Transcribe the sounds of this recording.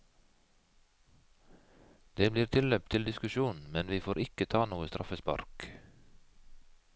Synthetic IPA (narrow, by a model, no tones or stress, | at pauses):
d̪eːbliːɾt̪ʰɪløːp̚t̪ʰɪld̪ɪskʉʃuːnn̩mɛnʋiːfoːɾʔɪkət̪ʰɑːnuːəst̪ɾʔɑfəspɑ̰ɾk